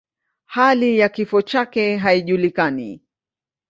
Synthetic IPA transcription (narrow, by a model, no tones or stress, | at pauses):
halijakifɔt͡ʃakɛɦaiʄulikanḭ